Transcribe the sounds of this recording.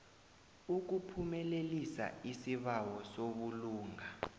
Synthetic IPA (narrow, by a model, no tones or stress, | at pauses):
uk̬upʰumɛlelisa̰isiβawɔsoɓuluːŋa